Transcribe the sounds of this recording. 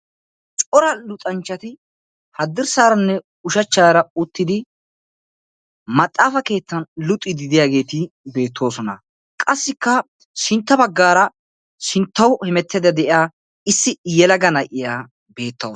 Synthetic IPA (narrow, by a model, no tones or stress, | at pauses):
t͡ʃʼɔɾɐlʊt̪ʼɐnt͡ʃːɐt̪ɪ | hɐd̪ːɪɾsaːɾɐnːɛ | ʊʃɐt͡ʃːaːɾɐʊt̪ːɪd̪ɪ | mɐt̪ʼːaːfɐke̞ːt̪ːɐnlʊt̪ʼːɪd̪ɪd̪ɪjaːɡe̞ːt̪ɪbe̞ːt̪ʰːo̞ːsɔnɐ̰ | kʼɐsːɪkːɐ | ʃɪnt̪ːɐbɐɡːaːɾɐ | ʃɪnt̪ːɐwhɛmɛt̪ːɛd̪ɐd̪ɛʔɪjaː | ɪsːɪjɛlɐɡɐnɐjʔɪjaː | be̞ːt̪ːɐw